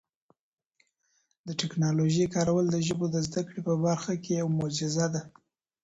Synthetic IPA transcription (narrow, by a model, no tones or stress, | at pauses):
d̪əʈɪknɑloʒəjkɑɾawəld̪əʒəbod̪əzd̪akɽepəbaɾxakejawmʊd͡ʒɪzad̪a